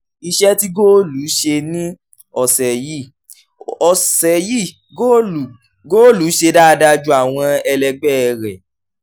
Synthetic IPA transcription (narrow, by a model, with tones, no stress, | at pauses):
i˧ʃɛ˦ti˦ɡo˦lu˨˦ʃe˧nĩ˦ | ɔ˨sɛ˨ji˦˨ | ɔ˨sɛ˨ji˦˨ | ɡo˦lu˨ | ɡoː˦lu˨˦ʃe˧da˦˧da˧d͡ʒu˦a˦˨w̃ɔ̃˧ɛ˧lɛ˧ɡ͡bɛ˦˧ɾɛ˨